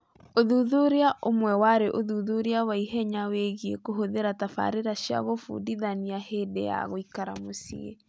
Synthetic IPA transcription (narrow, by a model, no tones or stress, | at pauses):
oðuðuɾeaʔomwɛwaɾeʔoðuðuɾeawaiɦɛɲaweɣiekoɦoðeɾatafa̰ɾeɾaɕja̰ɣofṵdiðaniaheːdeja̰ɣoikaɾa̰mosḭḛ